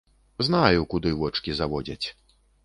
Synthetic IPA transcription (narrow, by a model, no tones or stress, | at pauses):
znajukud̪ɨvɔt͡ʂkʲizavɔd͡zʲɐt͡sʲ